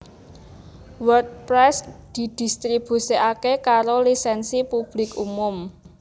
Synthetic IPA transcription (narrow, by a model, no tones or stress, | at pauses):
wərt̚pɾɛsd̪̥i̤d̪̥i̤st̪ɾib̥ṳsiakekaɾolisɛnsipub̥lɪkumʊm